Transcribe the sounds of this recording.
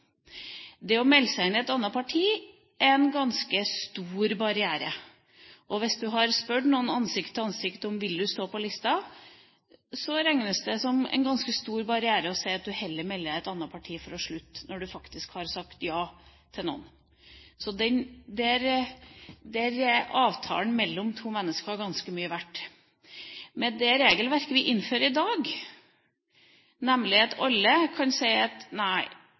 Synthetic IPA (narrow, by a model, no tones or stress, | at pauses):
d̪ɛɔmɛlːsæɪnɛt̪ɑnːɑpʰɑʈʰiː | ʔɛnɡɑnskəst̪uːɾbɑɾɪæːɾə | ʔɔʋɪsd̪ʉɦɑɾspœɖnuːənɑnsɪkt̪ʰɑnsɪkt̪ɔmʋɪld̪ʉst̪oːpʰɔlɪst̪ɑ | sɔɾæŋnəsd̪ɛsɔmɛ̰nɡɑnskəst̪uːɾbɑɾɪæːɾəɔsæɪɑt̪̚d̪ʉhɛlːəɾmɛlːəɾæɪt̪ɑnːɑpʰɑʈʰiːfɔɾɔʂɭʉt̪ːnɔɖʉfɑkt̪ɪskhɑɾsɑkt̪jɑːt̪ʰɪlnɔ̰n | sɔd̪ɛnd̪ɛæɾ | d̪ɛæɾɑːʋt̪ʰɑ̰ːln̩mɛlːɔmt̪ʰuːmɛnːəskəɑɾɡɑnskəmyːəʋæʈː | mɛd̪ɛɾeːɡəlʋæɾkəɾʋɪʔɪnːføːɾəɪd̪ɑːɡ | nɛmlɪɑt̪ɑlːəkʰɑnsæɪɑt̪næɪ